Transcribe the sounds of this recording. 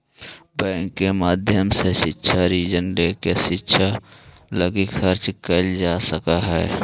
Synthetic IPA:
bɛ̃ːŋkːemaːd̪ʱjəmseʃɪtːʃʰaɾiːd͡ʒənleːkeʃɪtːʃʰa | ləɡikʰəɾt͡ʃkəld͡ʒaːsəkaɦɛ̰ː

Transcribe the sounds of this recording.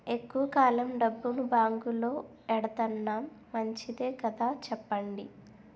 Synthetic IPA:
e̞kːuʋɐkaːlɐmɖɐbːunubaːŋɡulo̞ː | ɛɽɐt̪ɐnːaːmːɐɲt͡ʃid̪eːkɐd̪aːt͡ʃɛpːɐɳɖi

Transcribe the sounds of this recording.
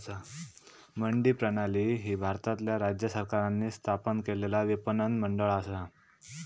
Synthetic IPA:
sa | məɳɖiːpɾənaliːɦiːbʱaɾt̪at̪ljaɾad͡ʑjəsəɾkaɾanːiːst̪ʰapənkelelaʋipənənməɳɖəɭasa

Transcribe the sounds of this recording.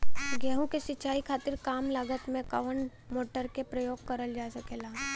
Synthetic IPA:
ɡɛːɦũkesɪt͡ʃaːikʰaːt̪ɪɾkaːmləɡət̪mẽkɐʋən | moːʈəɾkepɾəjoːɡ̚kɐɾəld͡ʒaːsɐkeːlaː

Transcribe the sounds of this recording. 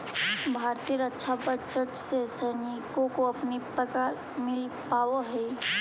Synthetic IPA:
bʱaːɾt̪iəɾətːʃʰabət͡ʃəʈsesənikõkoɐpnipɾəkaːɾ | mɪlpaːoɦɛ

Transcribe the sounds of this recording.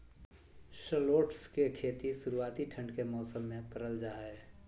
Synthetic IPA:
ʃəloːʈskekʰeːt̪isʊɾuaːt̪iʈʰə̃ɳɖkemɔːsəmːẽkəɾəld͡ʒaːe

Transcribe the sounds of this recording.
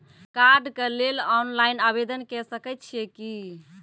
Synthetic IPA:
kaɾɖkəlelɔnlajinabed̪ənkɛsəkɛt̪̚t͡ʃʰijeki

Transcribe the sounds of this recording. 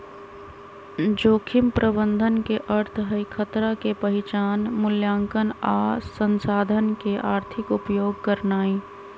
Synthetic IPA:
d͡ʒoːkʰɪmpɾʔəbə̃nd̪ʱənkeʔəɾt̪ʰɦəikʰət̪ɾakepəɦɪt͡ʃaːnmʊljãːŋkənaːsə̃nsaːd̪ʱənkeʔaːɾt̪ʰɪkʊpjoːɡ̚kəɾnaːĩ

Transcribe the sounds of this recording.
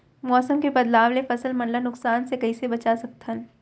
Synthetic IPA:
mɔːsəmkebɐd̪laːwlefɐsəlmɐ̃nlanʊksaːnsekɐisebɐt͡ʃasɐk̚t̪ʰən

